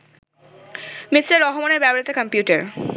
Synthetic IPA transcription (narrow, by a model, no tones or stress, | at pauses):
misɾeɾːɔɦomoneɾbɛboɾit̪okəmpjuʈeɾ